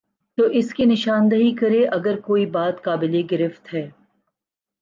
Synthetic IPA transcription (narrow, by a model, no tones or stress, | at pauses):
t̪oːʔɪskinɪʃaːnd̪əɦikɐɾeʔɐɡəɾkoːibaːt̪kaːbɪleɡɪɾɪft̪ɦɛː